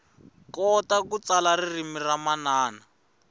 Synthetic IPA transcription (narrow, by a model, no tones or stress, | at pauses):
kɔtakut͡salaririmiramanaːna